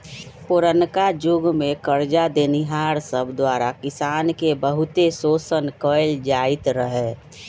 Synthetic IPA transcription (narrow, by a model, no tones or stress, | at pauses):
poɾənkad͡ʒʊɡmekəɾd͡ʒad̪eniɦaːɾsəbʱd̪waːɾakɪsaːnkebəɦʊt̪esoːsənkəɪld͡ʒaɪt̪ɾəɦɛ